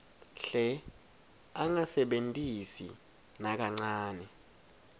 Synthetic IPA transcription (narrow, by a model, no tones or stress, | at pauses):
ɬɛ | aŋasɛɓentʼisḭ | nak̬aŋ͡ǀaːnɛ